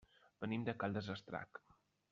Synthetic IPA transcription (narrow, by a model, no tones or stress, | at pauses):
b̥ənimd̪əkalˠd̪əzəst̪ɾa̰k